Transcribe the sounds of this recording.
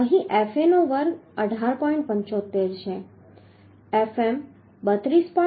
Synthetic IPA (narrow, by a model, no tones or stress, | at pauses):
əɦĩʔefenoʋəɾɡəɖʱaɾpɔĩɳʈ̚pə̃ɲt͡ʃot̪ːeɾt͡ʃʰe | efem | bət̪ɾispɔ